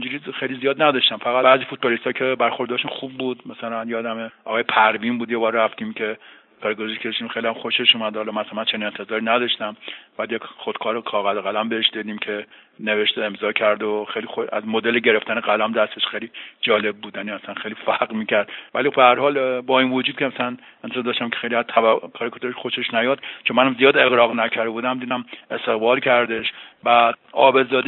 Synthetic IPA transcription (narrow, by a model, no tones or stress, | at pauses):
id͡ʒuɾixejlizijɒːd̪næd̪ɒʃt̪æmfæɣæbæːzifut̪̚bɒːlist̪ɒːkʰebæɾxo̞ɾd̪ɒɾʃunxubːuːd̪mæsælænjeːd̪æmeʔɒːɣɒːjepʰæɾvimbuːd̪jebɒːɾræft̪imkʲʰe̞ | pʰæɾɡozʃkʰeʃimχejlijæmxo̞ʃeʃuːmæd̪hɒlɒmæsænmænt͡ʃʰe̞ninent̪ʰe̞zɒːɾinæd̪ɒʃt̪æmb̥ɒæd̪jekχod̪̥kʰɒːɾokʰɒːɣæzoɣælæmbeheʃd̪id̪iːmkʰe̞ne̞veʃt̪oe̞mzɒːcʰæɾd̪oxejlixoæ̰zmod̪eleɟe̞ɾe̞ft̪æneɣælæmd̪æst̪eʃxejlid͡ʒɒːle̞b̚ːuːd̪jæniːæsænxejliːfæɡmiːcʰæɾd̪vælibehæɾhɒːlbɒːiːnvod͡ʒuːd̪̚kʰemæsælænent̪ezɔɾd̪ɒːʃt̪æmkʰʲexejliæzt̪ʰævækʰɒːɾekʰot̪ʰoɾeʃxoʃeʃnæjɒːd̪̥t͡ʃʰonmænæmzijɒːd̪e̞ɣɾɒːɣnækʰæɾd̪ebuːd̪æmd̪iːd̪æme̞st̪e̞ɣbɒːlcʰæɾd̪e̞ʃbæd̪̚ɒ̰ːbe̞zɒːd̪